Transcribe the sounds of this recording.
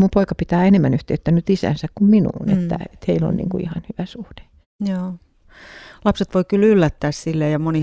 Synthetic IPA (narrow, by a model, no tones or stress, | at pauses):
mumpoikɑpit̪æːenemːænyht̪eyt̪ːænːyt̪isæ̰nsækkumminṵːnḛt̪ːæ̰et̪heilo̰nnḭːŋkuḭhɑnhyʋæsuhd̥e̥ | joː | lɑpset̪ʋoikylylːæt̪ːæːssilːejjɑmoni